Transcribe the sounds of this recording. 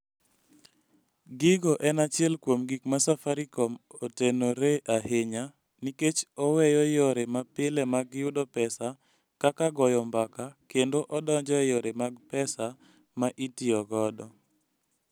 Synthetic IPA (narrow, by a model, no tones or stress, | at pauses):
ɡɪɡɔʔɛnat͡ʃɪɛlkwomɡikmasafaɾikɔmotenoɾeʔaheɲa | niket͡ʃɔwɛjɔjɔɾemapɪlɛmaɡjʊdɔpɛsa | kakaɡɔjɔmbakakendoʔɔdɔɲd͡ʒɔjɔɾemaɡpɛsa | maʔitɪɔɡɔdɔ